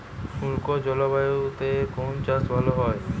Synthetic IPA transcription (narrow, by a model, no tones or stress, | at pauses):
ʃulkod͡ʒɔlɔbajut̪ekont͡ʃasbaloɦɔe